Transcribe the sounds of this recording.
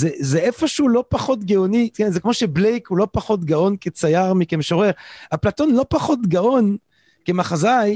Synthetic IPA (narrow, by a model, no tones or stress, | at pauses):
zezeʔefoʃulo̞paχo̞t̪ɡeonitkenzekmo̞ʃeblejkulo̞paχo̞t̪ɡao̞nket͡sajaʁmikemʃoʁeʁhaplat̪o̞nlo̞paχo̞t̪ɡao̞n | kemaχazaj